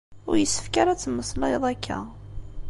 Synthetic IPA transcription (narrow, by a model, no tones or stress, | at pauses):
ʊ̰ɾjəsːə̥fkaɾat͡sːəmːəslɑjðˤækːæ̰